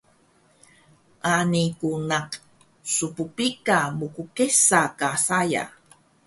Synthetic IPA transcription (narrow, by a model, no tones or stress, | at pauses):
ʔanikunaq | supupikamukukesakasaja̰